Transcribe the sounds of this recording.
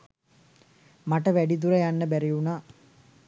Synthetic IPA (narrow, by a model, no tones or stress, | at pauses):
maʈəʋæɖid̪uɾəjanːəbæɾiunaː